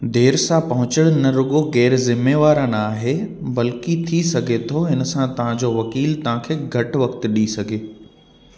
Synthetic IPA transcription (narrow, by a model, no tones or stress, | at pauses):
d̪eːɾsãpɐɦʊ̃t͡ɕəɽ̃nɐɾʊɠoɣɛːɾzɪmeːʋaːɾãnaːɦebɐlkit̪ʰisɐɡʱet̪ʰoɦɪnə̆sãt̪ɐʋ̤ãd͡ʑoːʋɐkiːlt̪ɐʋ̤ãkʰeːɡʱɐʈʋɐkt̪ɗisɐɡʱeː